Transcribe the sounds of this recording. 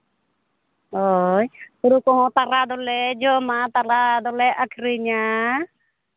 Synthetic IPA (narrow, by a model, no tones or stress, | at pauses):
ɔjtuɾukɔɦɔ̃t̪aɾad̪ɔlɛd͡ʒɔmat̪aɾad̪ɔlɛʔakʰɾiɲa